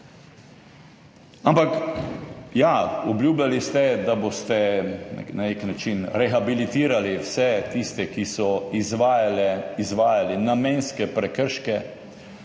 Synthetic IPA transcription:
ampak | jaɔbljuːblʲjalist̪ɛd̪abost̪ɛnɛ̰naneknat͡ʃinɾɛxabilit̪iːɾaliwsɛt̪ist̪ɛkisɔizʋajlɛizʋaːjalinamɛnskɛpɾɛkəɾʃkɛ

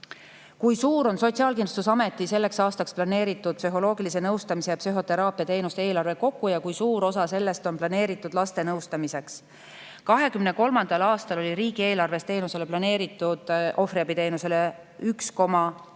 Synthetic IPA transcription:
kujsuːɾo̞nso̞t̪siɑːlkind̪ust̪us̬ɑme̞t̪ːˑise̞lːe̞ksɑːst̪ɑksplɑne̞ːɾit̪ːˑud̪̚psyɦo̞lo̞ːɡilise̞nɤwst̪ɑmise̞jɑpsyɦo̞t̪e̞ɾɑːpːˑiɑt̪eːnust̪eeːlɑrve̞ko̞kːˑujɑkujsuːɾo̞sɑse̞lːe̞st̪o̞nplɑne̞ːɾit̪ːˑud̪̥lɑst̪e̞nɤwst̪ɑmise̞ks | kɑɦe̞kymne̞ko̞lmɑnd̪̥ɑlɑːst̪ɑlo̞liɾiːɡ̥ie̞ːlɑrve̞st̪e̞ːnuse̞le̞plɑne̞ːɾit̪ːˑud̪̥ʔo̞fɾiɑbit̪e̞ːnuse̞le | yksko̞mɑ

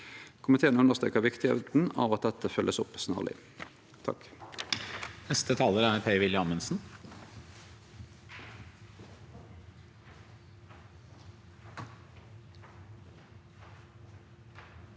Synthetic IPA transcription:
kʰʊmɪt̪ʰeːənʉnəʁst̪ḛːkəʁʋɪkt̪ɪḛt̪n̩ɑ̰ːʋɑt̪̚d̪ɛt̪əfœlʔəsʊpsnæ̰ːʁlɪ̰ | t̪ʰɑ̰k | nɛst̪ət̪ʰɑːləɾæɾpʰeɪʋɪljəɑmənsn̩

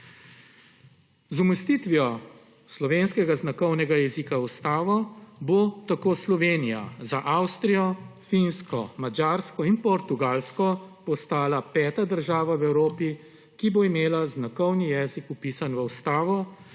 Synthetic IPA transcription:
zuməst̪iːt̪ʋiɔ | slɔʋeːnskɛɡaznakɔwnɛɡajɛzikaust̪aːʋɔbot̪akoːslɔʋeːnija̰zaʔawst̪ɾijɔfinskɔ̰mad͡ʒaːɾskɔinpɔɾt̪uɡaːlskɔpɔst̪aːlapɛːt̪ad̪əɾʒaːʋawɛwɾoːpi | kiboimeːlaznakɔwnijɛːzikupiːsanʋəwst̪aːʋɔ

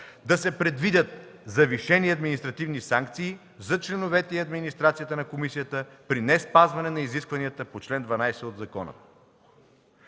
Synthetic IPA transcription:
d̪ɐsɛpɾɛd̪vid̪ʲət̪̚zɐviʃɛniɐd̪minist̪ɾɐt̪ivnisaŋk̚t̪siː | zɐt͡ʃlɛnovɛt̪ɛiɐd̪minist̪ɾat̪sijət̪ənɐkomisijət̪əpɾinɛspazvɐnɛnɐiziskvɐniət̪əpot͡ʃlɛnd̪vɐnajsɛod̪zɐkɔnə̰

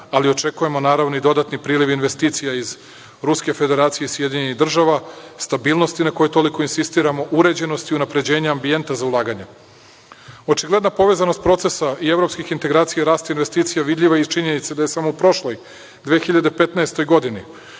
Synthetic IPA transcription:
alio̞t͡ʃe̞kuje̞mo̞naːɾaʋnoid̪o̞d̪at̪nipɾiːliʋinʋe̞st̪iːt̪sijaiz | ɾuske̞fe̞d̪e̞ɾaːt̪sijeisjed̪iɲeniɣd̪r̩ʒaʋast̪abiːlˠnost̪inako̞jet̪o̞liko̞insist̪iːɾamo̞ʔuɾe̞d͡ʑe̞no̞st̪iunapɾe̞d͡ʑe̞ːɲaambije̞nt̪azaulˠaːɡaɲe | o̞t͡ʃiɡle̞d̪napo̞ʋe̞zano̞st̪̚pɾo̞t̪se̞saie̞vɾo̞pskixint̪e̞ɡɾaːt̪sijaɾaːst̪ainʋe̞st̪iːt̪sijaʋid̪ʎʲiʋait͡ʃiɲe̞nit̪sed̪ajesamoupɾo̞ʃlˠo̞j | d̪ʋeːxiʎad̪epe̞t̪naest̪o̞jɡo̞d̪ini

